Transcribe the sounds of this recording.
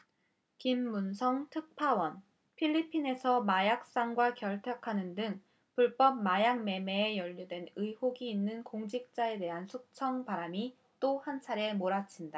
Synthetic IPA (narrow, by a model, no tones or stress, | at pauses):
kimːunsʰʌŋtʰɯk̚pʰawʌn | pʰiʎːipʰine̞sʰʌmajak̚s͈aŋɡwakjʌɭtʰjʌkʰanɯndɯŋ | puɭp͈ʌp̚majaŋme̞me̞ːjʌʎːudwe̞nɯjhoɡiːnːɯnkoŋd͡ʑik̚t͡ɕ͈ae̞de̞ɦansʰuk̚t͡ɕʰʌŋpaɾami | t͈ohant͡ɕʰaɾe̞moɾat͡ɕʰinda